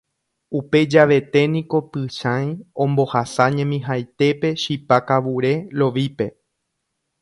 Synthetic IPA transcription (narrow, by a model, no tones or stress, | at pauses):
upe̞d͡ʒaʋe̞t̪e̞nĩko̞pɨʃãj̃õ̞mbo̞hasaɲẽ̞mĩɦajt̪e̞pe̞ʃipakaʋuɾe̞lo̞ʋipe̞